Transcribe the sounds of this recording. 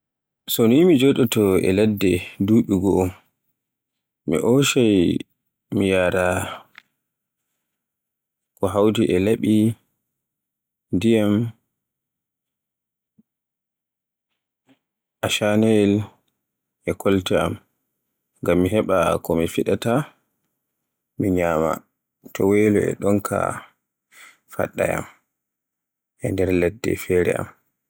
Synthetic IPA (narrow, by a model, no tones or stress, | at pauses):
sɔnimid͡ʒoɗɛtɔɛ̰lɛdːɛduɗuɡɔ | mḭʔoʃaj | mijaɾa | kɔɦawdiʔɛlaɓi | dijam | ʔaʃanɛl | ʔɛkɔltɛam | ŋɡamːiɦɛɓakɔmifiɗata | miɲama̰ | tʰɔweːlɔɛ̰ɗɔnkʰa̰ | fa̰ɗːa̰ja̰m | ʔɛndɛɾlɛdːɛ̰fɛɾɛ̰ʔa̰m